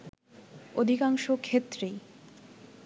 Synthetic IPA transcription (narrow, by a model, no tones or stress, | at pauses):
od̪ʱikaŋʃokʰet̪ːɾe